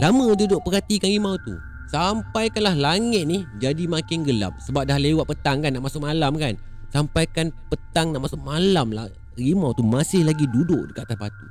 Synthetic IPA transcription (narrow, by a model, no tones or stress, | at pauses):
lamə̃dudʊʔ̚pəɾat̪ikanɣimawt̪ṵ | sampajkanlahlaŋɪt̪̚nihd͡ʒadimãkɪnɡəla̰p̚səbap̚dahlewaʔ̚pət̪aŋkanːaʔmasʊʔ̚malamkan | sampajkanpət̪aŋnaʔmasʊʔ̚malamla̰ | rimawt̪umasɪhlaɡidudʊʔdəkaat̪asba̰t̪u